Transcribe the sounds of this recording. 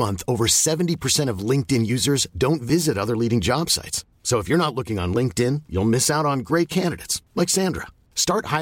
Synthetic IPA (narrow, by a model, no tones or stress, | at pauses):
mʌ̃nθoʊvə˞sɛvn̩tipʰə˞sɛ̃ɾ̃ʌvlɪ̃ŋk̚tɪ̃njʉzə˞zdõʊ̃ntvɪzɨɾʌðə˞liɾɪ̃ŋd͡ʒɑb̥sa̰ɪtsːoʊəfjə˞ñətˡlʊkɪ̃ŋə̰̃nlɪ̃ŋk̚tɪ̃njṵlˠmɪsaʊɾn̩ɡɹeɪt̚kʰæ̃ndɨɾeɪtslaɪksæ̃ndɹə̰ | stɑɹt̚haɪ